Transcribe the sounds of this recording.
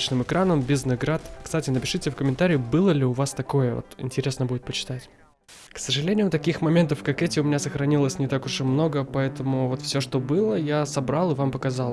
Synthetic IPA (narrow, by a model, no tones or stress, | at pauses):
t͡ɕnɨmɨkɾanəmbʲiznɨɡɾat̪kst̪atʲɪnəpʲɪʂɨtʲɪfkəmʲɪnt̪aɾʲɪʊbɨlˠəlʲɪʊvast̪ɐko̞jəvo̰t̪ɪ̰nʲtʲɪɾʲe̞snəbudʲɪt̪̚pət͡ɕɪ̥t̪atʲ | ksəʐɨlʲenʲɪjʊt̪ɐkʲixmɐmʲe̞nt̪əfkɐkɛtʲɪʊmʲɪnʲasəxɾɐnʲilˠəsʲnʲɪt̪akʊʐɛmno̞ɡəpɐɛt̪əmʊvo̞t̪fsʲo̞ʂt̪o̞bɨlˠəjasɐbɾalˠɨvampəkɐzɑlˠ